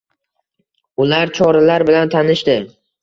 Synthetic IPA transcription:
ʊlaɾt͡ʃʰɒɾalaɾbɪlant̪ʰanɪʃt̪ɪ

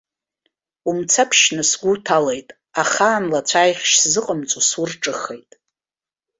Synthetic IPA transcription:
umt͡sʰapʰʃnɨsɡʷutʰalejtʼ | aχaːnlat͡sʷʰajχʲʃszɨqʼəmt͡sʷʼusurʈ͡ʂʼɨχe̞jtʼ

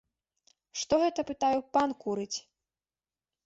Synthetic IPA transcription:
ʂt̪ɔɣɛt̪ɐpɨt̪ajɛpankuɾɨt͡sʲ

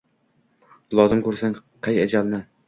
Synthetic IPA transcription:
lˠɒzɪmkʰɵɾsaŋqʰɑjad͡ʒalnɪ

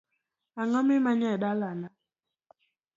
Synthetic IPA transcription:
aŋɔmimaɲɛɗalana

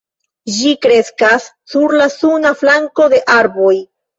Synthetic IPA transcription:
d͡ʒikɾe̞skasːuɾlasunaflaŋko̞d̪e̞ʔaɾbo̞j

